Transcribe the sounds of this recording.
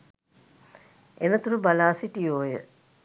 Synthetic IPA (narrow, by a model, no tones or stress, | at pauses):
enət̪uɾubalaːsiʈioːjə̰